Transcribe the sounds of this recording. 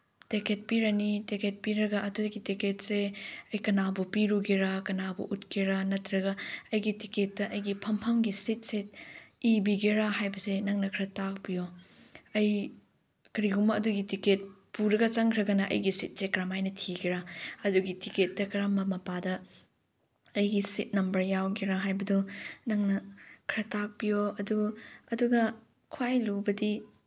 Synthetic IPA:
teket̚piɾɐniteket̚piɾɐɡɐʔɐduɡitiket̚seɐjkɐnabupiɾuɡiɾɐkɐnabṵʔutkʰiɾɐnɐtɾɐɡɐɐjɡitiket̚ːɐʔɐjɡipʰɐmpʰɐmɡisit̚setibiɡeɾahajbɐsenɐŋnɐkʰɾɐtak̚bijo | ɐj | kɐɾiɡumɐːduɡitiket̚puɾɐɡɐt͡ʃɐŋkʰɾɐɡɐnɐʔɐ̰jɡisit̚sekɾamajnɐtʰiɡiɾaɐduɡitiket̚dɐkɐɾamːɐmɐpadɐ | ɐjɡisit̚nɐmbɐɾjawɡeɾaɦajbɐdunɐŋnɐkʰɾɐtak̚bijoɐduɐduɡɐ | kʰwajlubɐdi

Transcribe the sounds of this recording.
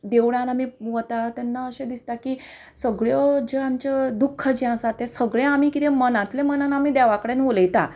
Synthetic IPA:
d̪eʋɽ̃ãnamiʋət̪at̪ɛnːaəɕed̪ist̪aki | səɡɭjɔd͡ʑeamt͡ɕed̪ukʰːəd͡ʑiɦãsat̪ẽsəɡɭeamikit̪ẽmənãt̪lemənanamiːd̪aʋakɽenʋoləjt̪a̰

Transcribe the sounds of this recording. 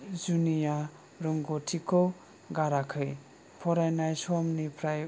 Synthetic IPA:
zunija | ɾuŋɡotʰikʰo | ɡaɾakʰɯj | pʰɔɾajnajsɔmnipʰɾaj

